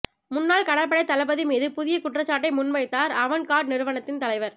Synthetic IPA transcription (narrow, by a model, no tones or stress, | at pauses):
mʊnːaːlkɐɽɐɾpːɐɽɐɪt̪ːɐlɐp̬ːɐðimiːðɯpʊðɪjɐkʊʈrɐt͡ʃːaːʈːɐɪmʊnmɐɪt̪ːaːɾɐʋɐnkaːʈnɪɾɯʋɐnɐt̪ːɪnt̪ɐlɐɪʋɐɾ